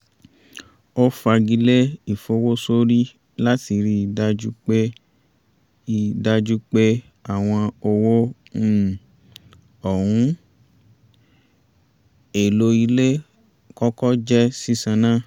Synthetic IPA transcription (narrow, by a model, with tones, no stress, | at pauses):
o˦fa˧ɡi˧le˦i˦˨fo˧˦wo˦so˦ɾi˦ | la˦ti˧ɾi˧˦i˨da˧d͡ʒu˦k͡pe˦ | i˨da˧d͡ʒu˦k͡pe˦ | a˨w̃ɔ̃˧o˧wo˦˨ | ɔ˨ɾũ˨˦ | e˨lo˧i˧le˦ | kɔ˦kɔ˦d͡ʒɛ˦si˦sã˧nã˦